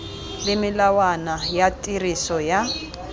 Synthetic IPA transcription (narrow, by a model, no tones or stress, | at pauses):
lɪmɪlawanajatʼirisɔja